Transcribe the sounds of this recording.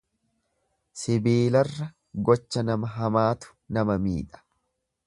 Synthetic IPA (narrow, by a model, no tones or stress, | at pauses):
sɪbeːlɐrːɐ | ɡɔt͡ʃːɐnɐmɐɦɐmaːt̪ʊ̥ | nɐmɐmḭːᶑɐ̥